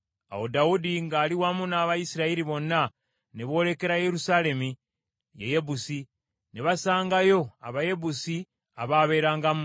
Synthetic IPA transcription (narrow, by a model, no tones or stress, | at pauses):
a̰wo̞daudiŋɡaːliwamunaːβajisiɾaiɾiβo̞nːa | neβo̞ːle̞ke̞ɾaje̞ɾusaːle̞mi | jḛje̞busi | neβasaːŋɡajo̞a̰βaje̞busi | aβaːβe̞ːɾaːŋɡam